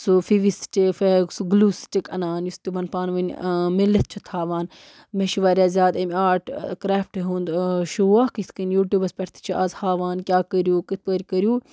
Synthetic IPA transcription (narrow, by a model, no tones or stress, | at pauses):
sufiʋist͡ʃifeɡsuɡluːst͡ʃʲikɐnaːnjust̪iʋɐnpaːnʋɐnʲmilːɐt̪̚t͡ʃʰut̪ʰhaːʋaːn | meʃiʋaːɾʲaːzʲjaːd̪ɐmʲaːʈkɾaːfʈeɦũːnd̪ʃuakit̪ʰkɐnjuːʈʲjuːbɐspʲɐɾt̪ʰi̥t͡ʃʰuʔɐzhaːʋaːnkʲaːkəɾjuːkit̪̚ʰpəɾʲkəɾjuː